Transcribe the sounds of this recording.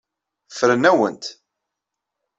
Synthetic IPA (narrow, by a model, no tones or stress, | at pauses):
fəɾənæwənt̪